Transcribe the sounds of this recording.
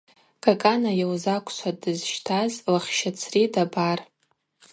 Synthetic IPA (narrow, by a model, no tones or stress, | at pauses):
ɡ̥ʼakʼanajawzakʷʰʼsʷʰadɨzʃtʰazlaχʲʃat͡sʰridabar